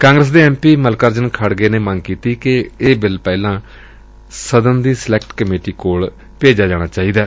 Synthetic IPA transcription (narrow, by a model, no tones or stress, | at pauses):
kãːŋɡɾəs̬d̪eːɛ̃ːmpiːməlkəɾd͡ʒənkʰəɽɡeːneːməŋɡkiːt̪iːkɪeːbɪlpɛːlãː | səd̪ənd̪iːslɛːkʈkəmeːʈiːkoːɭ | peːd͡ʒaːd͡ʒaːɽ̃aːt͡ʃaːiːd̪aː